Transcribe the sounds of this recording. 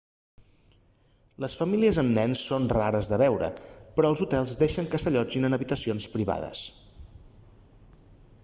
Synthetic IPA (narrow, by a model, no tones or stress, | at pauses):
ləsfəmiliəzəmnɛnsːonraɾəzðəβɛwɾə̰pɾɔəlˠzut̪ɛlˠzd̪eʃəŋkəsəʎɔd͡ʒinənəβit̪əsionspɾiβa̰ðə̰s